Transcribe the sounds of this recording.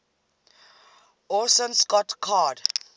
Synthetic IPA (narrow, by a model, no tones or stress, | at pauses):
ɔsə̃nskɔtkʰad